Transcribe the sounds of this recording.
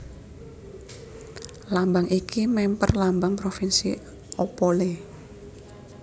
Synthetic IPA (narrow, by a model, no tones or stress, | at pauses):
lambaŋʔikʰimɛmpə̰rlambaŋpɾofinsḭ | opole